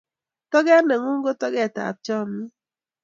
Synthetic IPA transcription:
tɔ˦ɡɛ˦ne˨ŋu˦ŋ˦ɡo˦tɔ˦ɡɛ˦˨ta̰˨p̚t͡ʃɔ˦˨mi˦

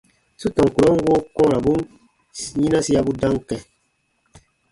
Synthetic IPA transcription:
su˦tɔ̃˨ŋ˨ku˨ɾɔ˦ŋ˦ɡo˦kɔ̃˦ɾa˨bu˦n | ɲĩ˦nã˦si˦a˦bu˦dã˦ŋ˦kɛ̃˨

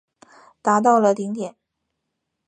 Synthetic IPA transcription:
t̪a˧˥t̪̬ɑ˥˩ʊlə˩t̪i˧˥ŋt̪jɛ˨˩˦n

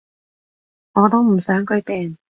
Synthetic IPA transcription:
ŋɔː˨˧t̪o˥wm̩˨˩sœː˨˥ŋkɵ˨˥t̪ɛː˨ŋ

